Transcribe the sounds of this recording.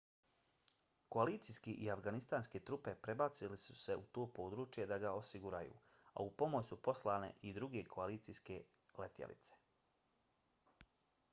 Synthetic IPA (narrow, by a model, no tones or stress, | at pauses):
ko̞aliːt̪sijskeʔiafɡanist̪aːnsket̪ɾupe̞pɾe̞bat̪silisu̥se̞ut̪oːpo̞ːd̪ɾuːt͡ʃje̞d̪aɡaosiɡuɾajṵː | a̰upo̞mo̞jsupo̞slˠaːne̞̰ʔid̪ɾuɡe̞kʰo̞aliːt̪sijske̞ | let̪jḛlḭt̪se̥